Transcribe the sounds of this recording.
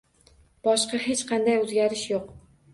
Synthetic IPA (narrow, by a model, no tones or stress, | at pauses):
b̥ɒʃqɑɦet͡ʃqʰɑnd̪ajɵzɡʲaɾɪʃjoq